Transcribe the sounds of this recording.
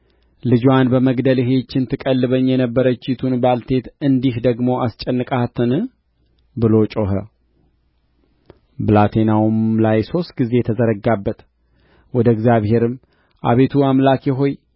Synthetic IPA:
lɨd͡ʒwanbəməɡd̪əlɪɦe̞t͡ʃːɪnt̪ʰɨkʼəlːɨβəɲːjɛnəbːəɾət͡ʃːɪt̪ʰunbalt̪ʰe̞t̪ɨnd̪ihd̪əɡmo̞ʔast͡ʃʼɛnːɨkʼat̪ʰːɨn | bɨlo̞t͡ʃʼoɦə | blat̪ʰe̞nawumlajso̞st̪ɡize̞t̪ʰəzəɾəɡabːət̪ | wɔd̪əɡzjaβhe̞ɾɨm | ʔa̰βe̞t̪ʰuamlakjɛɦo̞j

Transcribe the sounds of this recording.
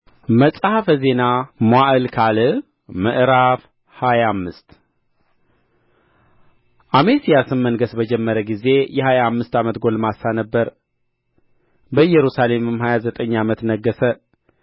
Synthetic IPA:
məsʼhafəze̞namwaʔɨlkʰalɨ | məʔɾaf | hajamːɨst̪ | ʔamesijasɨmːənɡəsbəd͡ʒɛmːəɾəɡize̞jɛhajamːɨst̪amət̪ɡo̞lmasanəbːəɾ | bəjɛɾusale̞mɨmhajazət̪ʼəɲːamət̪nəɡːəsə

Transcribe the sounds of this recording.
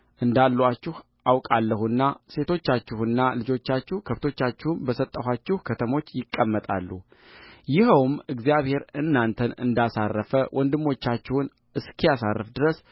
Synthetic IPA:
ʔɨnd̪alːwat͡ʃːɪh | ʔawkʼalːəhunːase̞t̪ʰo̞t͡ʃːat͡ʃːɪhunːalɨd͡ʒo̞t͡ʃːat͡ʃːɪhkʰəft̪ʰo̞t͡ʃːat͡ʃːɪhunbəsət̪ʼːəɦat͡ʃːɪhukʰət̪ʰəmo̞t͡ʃːjɪkʼːəmːət̪ʼa̰lːu | jɪhəwmɨɡzijaβhe̞ɾɨnːant̪ʰənɨ̰nd̪asarːəfəwʔɔnd̪ɨmːo̞t͡ʃːat͡ʃːɪhun | ɨskʰijasarːɨfd̪ɨɾəs

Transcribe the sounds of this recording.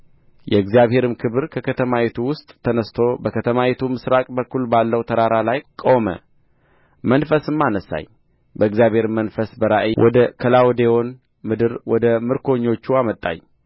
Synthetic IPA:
jɛɨɡzjaβɦhe̞ɾɨmkʰɨβɨɾkʰəkʰət̪ʰəmawet̪ʰuwʊst̪ʼːʰənəst̪ʰo̞bəkʰət̪ʰəmawet̪ʰumɨsɾakʼbəkʰːulbalːəwt̪ʰəɾaɾalajkʼomə̰ | mənfəsɨmːanəsa̰ɲ | bəɨɡzijaβhe̞ɾɨmːənfəsbəɾaʔwʔɔ̰d̪əkʰəlawd̪eo̞n | mɨd̪ɨɾwɔd̪əmɨɾkʰo̞ɲːo̞t͡ʃːuamət̪ʼːa̰ɲ

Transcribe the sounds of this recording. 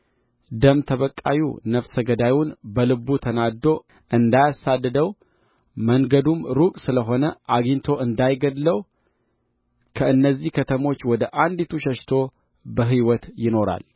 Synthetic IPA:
d̪əmt̪ʰəβəkʼːajṵnəfsəɡəd̪ajunbəlɨbut̪ʰənad̪o̞ | ʔɨnd̪ajasad̪ːəd̪əw | məŋɡəd̪umɾukʼsɨləɦo̞nəʔaɡint̪ʰo̞ʔɨnd̪ajɡəd̪ləw | kʰəɨnːəzːihkʰət̪ʰəmo̞t͡ʃːwɔd̪əʔand̪it̪ʰuʃəʃt̪ʰo̞ | bəɦiwɔt̪jɪno̞ɾa̰l

